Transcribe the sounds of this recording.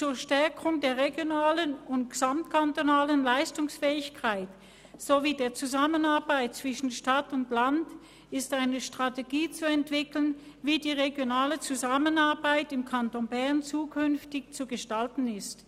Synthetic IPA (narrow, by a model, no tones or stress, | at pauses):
t͡suːɐʃtɛɐkʰʊŋdeːɐʁeɡjonaːlənʊntɡ̥əz̥amtkʰantonaːlənlaɪstʊŋsfɛːɪçkʰaɪt | z̥oviːdeːɐt͡suzamənaɐbaɪt̚t͡sv̥ɪʃn̩ʃtatʊntland | ɪstaɪnəʃtʁ̥ateɡiːt͡suɛntv̥ɪkln | viːdiːʁeɡjonaːlət͡suzamənaɐbaɪtɪmkʰantonbɛɐnt͡suːkʰʏnftɪçt͡suɡəʃtaltn̩ɪst